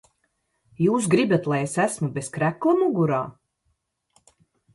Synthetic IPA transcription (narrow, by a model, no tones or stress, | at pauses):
juːs̬ɡɾibat̪lˠajesæsmubeskɾæklˠamuɡuɾaː